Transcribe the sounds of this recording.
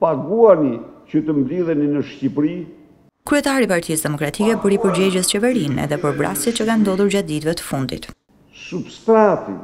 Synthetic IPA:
paɡuanicət̪əmbliðɛninəʃcipɾi | kɾyɛt̪aɾipaɾt̪isd̪ɛmɔkɾat̪ikɛpəɾipəɾd͡ʑɛd͡ʑəst͡ɕɛvɛɾinɛ̰ðɛpəɾvɾa̰sjɛt̪t͡ɕəkand̪ɔðuɾd͡ʑat̪̚d̪it̪vɛt̪ə̥fund̪ḭt̪ | subst̪ɾat̪ḭ

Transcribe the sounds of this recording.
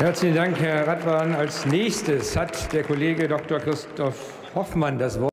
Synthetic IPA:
hɛɐt͡slɪçn̩daŋkhɛɐʁatv̥aːnalsnɛːçstəshatd̥eːɐkoleːɡədɔk̚toːɐkʁ̥ɪstʰɔf | hɔfmandasv̥ɔ

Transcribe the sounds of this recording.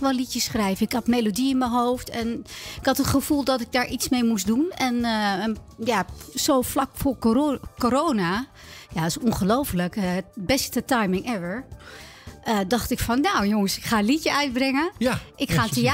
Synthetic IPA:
ʋɔlitjəsχrɛjvəɪkhɔtmejlodiɪnməɦowftɛnɪkhɑtətχəfulˠdɔtɪɡ̚daːɹʔit͡smejmusdunɛn | jasowflakfoːɹkkoɾoːna | jaɪsunχəlowfələkbɛstətajmɪŋʔɛʋəɹ | ədɑχtɪkfɔnːowjʊŋəsɪkχaːəlitjəœɥt̚brɪŋəʔɪkχatəa

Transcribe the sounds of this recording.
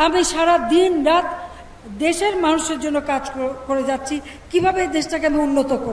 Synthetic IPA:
amiʃaɾad̪inɾat̪ | d̪eʃeɾmanuʃeɾd͡ʑonːokad͡ʑokoɾed͡ʑatːɕʰi | kibʱabed̪eʃʈakeamiunːot̪okoɾ

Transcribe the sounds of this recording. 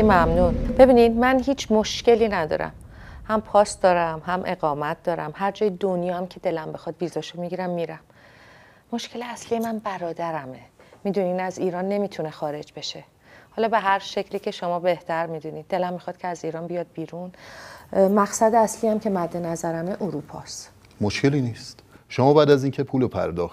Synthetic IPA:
mæmnunb̥e̞biːnid̪mænɦiːt͡ʃʰmoʃce̞liːnæd̪ɒ̰ɾæ̰m | hæmpʰɒːsd̪ɒːɾæmɦæmʔe̞̰ɣɒːmæt̪̚d̪̥ɒːɾæ̰mhæɾd͡ʒɒːjed̪onjɒːæmcʰe̞d̪e̞læmbexɒd̪̚viːzɒʃomiɟiɾæmːiːɾæmː | oʃcʰe̞leæsliːjemænbæɾɒːd̪æɾæmemiːd̪uniːnæziːɾɒːnːe̞miːt̪ʰune̞xɒːɾe̞d͡ʒbe̞ʃe̞ | hɒːlɒːbe̞ɦæɾʃe̞cʰliːcʰe̞ʃomɒːbe̞ht̪ʰæɾmiːd̪uniːd̪̚ːe̞læmːixɒːd̪̥̚cʰeæziːɾɒːnbijɒːd̪̚biːɾun | mæɡsæd̪eæsliːæmcʰe̞mæd̪ːe̞næzæɾæmeʔoɾupʰɒst̪ | moʃcʰe̞liːniːst̪ʃomɒːbæːd̪æziːncʰe̞pʰuːlopʰæ̰ɾd̪ɒːxt̪

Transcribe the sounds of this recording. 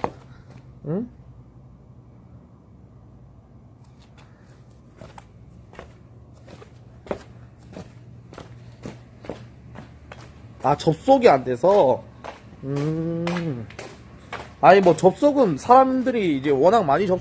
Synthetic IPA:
ɯ | at͡ɕʌp̚s͈oɡiande̞sʰʌ | ɯ | aɲimwʌt͡ɕʌp̚s͈oɡɯnsʰaɾamdɯɾiːd͡ʑe̞wʌnaŋmaɲit͡ɕʌp̚

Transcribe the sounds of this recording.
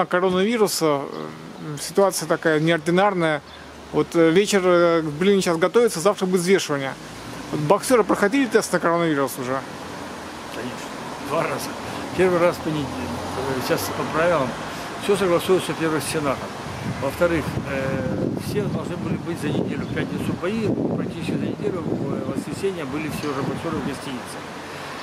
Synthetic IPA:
əkɐɾo̞nəvʲiɾʊsə | sʲɪ̥t̪ʊat̪sɨjət̪ɐkajənʲɪɐrdʲɪnarnəjə | vot̪vʲet͡ɕɪrzʲbʲɪrʲlʲinʲɪɕasɡɐt̪o̞vʲɪt̪səzaft̪ɾəbɨt̪ʲzvʲe̞ʂɨvənʲɪjə | vot̪bɐksʲoɾəpɾəxɐdʲelʲɪt̪ɛst̪nəkɐɾo̞nəvʲiɾʊsʊʐɛ | kɐnʲeʂnə | d̪vaɾazə | pʲe̞rvɨɾaspənʲɪdʲelmɕaspɐpɾavʲɪlˠəm | fsʲosəɡlˠɐsujt̪səpʲervəxsʲɪnat̪əm | vəft̪ɐɾɨxəfsʲed̪ɐlˠʐnɨbɨlʲɪbɨtʲzɐnʲɪdʲelʲʊfpʲæt̪ʲnʲɪt̪sʊpɐipɾɐk̚t̪ʲit͡ʃɪsʲkʲizɐnʲɪdʲeɾɨvvəskɾʲɪsʲenʲɪjəbɨlʲɪfsʲeʊʐɛbɐksʲoɾɨvɡɐsʲtʲinʲɪt̪sɨ̥

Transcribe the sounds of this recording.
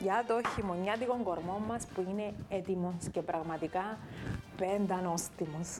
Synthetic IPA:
jɐt̪o̞çimoɲːɐt̪iko̞ŋɡo̞ɾmo̞mːɐspuine̞et̪imosce̞pɾɐɣmɐt̪ikɐpend̪ɐnost̪imos

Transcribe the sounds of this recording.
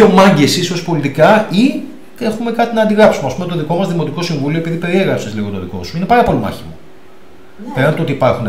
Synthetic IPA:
o̞mɐɲɟesiso̞spo̞lit̪ikɐi | e̞xume̞kɐt̪inɐːnd̪iɣɾɐpsumeɐspumet̪oðiko̞mɐzðimo̞t̪iko̞siɱvulio̞e̞piðipe̞ɾieɣɾɐpsezliɣo̞t̪o̞ðiko̞̰suine̞pɐɾɐpo̞limɐ̰çimo̞̰ | peɾnɐnt̪ot̪iːpɐɾxune

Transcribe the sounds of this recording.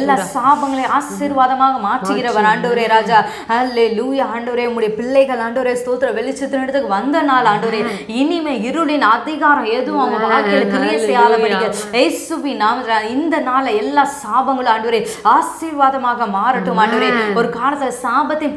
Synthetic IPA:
lːaːsaːbɐŋɡɐɭeaːsiɾʋaːðɐmaːɣɐmaːʈrɯɣɪɾɐʋɐɾaːɳɖɯʋɐɾeːɾaːd͡ʒaː | ɐleːluːjaaːɳɖɯʋɐɾeːʊmːʊɽɪjɐpɪɭːɐɪɣɐɭaːɳɖɯʋɾeːst̪oːt̪ːɯɾɐʋɛɭɪt͡ʃːɯt̪ːɯnɐɽɯt̪ːɯkːɯʋɐnd̪ɐnaːlaːɳɖɯʋɐɾe | ɪnɪmeːɪɾɯlɪnɐðɪɣaːɾɐ̃eðɯʋʊ̃ɐmɐʋaːɻkɐlɐt̪ɪlɐjɐsɛjaːlɐkpɐɽɪɣɐɐɪsuʋinaːmɐaːɪnd̪ɐnaːlɐɛlːaːsaːbɐŋɡɐɭɯ̃aːɳɖɯʋɐɾeaːsiɾʋaːðɐmaːɣɐmaːɾɪʈːɯmaːɳɖɯʋɐɾeːɔɾɯkaːlɐt̪ːɯlɐsaːbɐt̪ːɪ

